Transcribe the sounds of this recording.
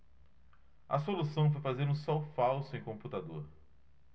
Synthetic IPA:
ɐ̰solusɐ̃w̃fojfazeɾũsɔwfawsʊẽj̃kõmput̪ad̪oɾ

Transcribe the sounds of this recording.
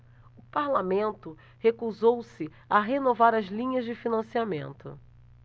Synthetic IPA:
ʊpaɾlamẽnt̪ʊ | hekuzowsɪ | aɦenovaɾɐzlĩɲɐzd͡ʒɪfinɐ̃siamḛ̃nt̪ʊ̰

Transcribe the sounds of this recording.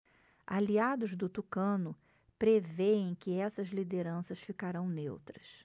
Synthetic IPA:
aliad̪ʊzd̪ʊt̪ukɐ̃nʊ | pɾeveẽj̃kɪɛsɐzlid̪eɾɐ̃sɐsfikaɾɐ̃w̃nḛwt̪ɾɐs

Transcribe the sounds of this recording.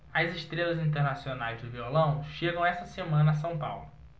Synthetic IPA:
ɐziʃt̪ɾelɐzĩnt̪̬eɾnasionajzd̪ʊviolɐ̃w̃ʃeɡɐ̃w̃ɛsɐsemɐ̃nɐːs̬ɐ̃w̃pa̰wlʊ

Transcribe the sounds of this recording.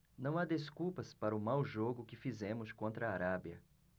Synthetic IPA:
nɐ̃w̃ad̪eskupɐspaɾɐʊmawʒoɡʊkɪfizẽmʊskõnt̪ɾɐːɾabjɐ̰

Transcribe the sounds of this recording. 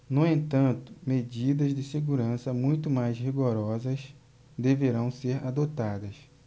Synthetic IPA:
nuẽnt̪ɐ̃nt̪ʊ̥med͡ʒid̪ɐzd̪ɪseɡuɾɐ̃sɐmũj̃t̪ʊmajzhiɡoɾɔzɐs | d̪eveɾɐ̃w̃seɾad̪ot̪ad̪ɐs

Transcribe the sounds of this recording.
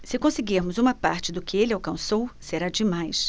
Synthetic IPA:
sɪkõsɪɡiɾmʊzũmɐpaɾt͡ʃɪd̪ʊkɪelɪawkɐ̃sowseɾad͡ʒɪmajs

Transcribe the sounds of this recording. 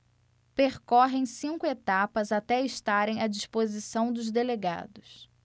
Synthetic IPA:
peɾkɔɦẽj̃sĩŋkʊet̪apɐzat̪ɛɪʃt̪aɾẽj̃ɐd͡ʒispozisɐ̃w̃d̪ʊzd̪eleɡa̰d̪ʊs

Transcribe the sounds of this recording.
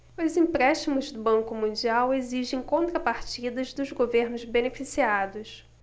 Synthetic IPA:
ʊzĩpɾɛʃt͡ʃimʊzd̪ʊbɐ̃ŋkʊmũd͡ʒiaweziʒẽj̃kõnt̪ɾɐpaɾt͡ʃid̪ɐzd̪ʊzɡoveɾnʊzbenefisiad̪ʊs

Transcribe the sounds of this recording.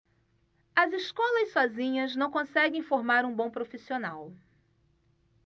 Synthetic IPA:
ɐziskɔlɐssɔzĩɲɐznɐ̃w̃kõsɛɡẽj̃foɾmaɾũbõw̃pɾofisionaw

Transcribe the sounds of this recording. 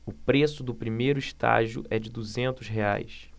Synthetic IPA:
ʊpɾesʊd̪ʊpɾimejɾʊiʃt̪a̰ʒiʊ̰ʔɛd͡ʒɪd̪uzẽnt̪ʊsɦea̰js

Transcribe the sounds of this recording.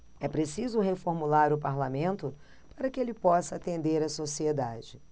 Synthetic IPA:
ɛpɾesizʊɦefoɾmulaɾʊpaɾlamẽnt̪ʊ | paɾɐkɪelɪpɔsɐat̪ẽnd̪eɾɐsosied̪ad͡ʒɪ

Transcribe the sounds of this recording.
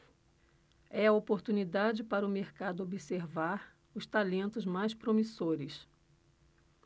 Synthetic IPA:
ɛɐopoɾt̪unid̪ad͡ʒɪpaɾɐʊmeɾkad̪ʊobiseɾvaɾ | ʊst̪alẽnt̪ʊzmajspɾomisoɾɪs

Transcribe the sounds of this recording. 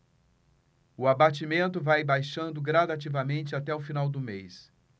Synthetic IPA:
ʊabat͡ʃimẽnt̪ʊvajbajʃɐ̃nd̪ʊɡɾad̪at͡ʃivɐmẽnt͡ʃɪat̪ɛʊfinawd̪ʊmejs

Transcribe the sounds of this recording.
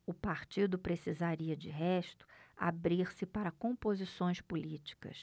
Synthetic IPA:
ʊpaɾt͡ʃid̪ʊpɾesizaɾiɐd͡ʒɪɦɛʃt̪ʊ̥a̰bɾiɾsɪpaɾɐkõmpozisõj̃spulit͡ʃi̥kɐ̰s

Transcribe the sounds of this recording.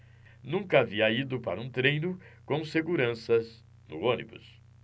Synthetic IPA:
nũŋkɐaviɐid̪ʊpaɾɐũt̪ɾejnʊkõw̃seɡuɾɐ̃sɐz | nʊ̰õnibʊ̰s

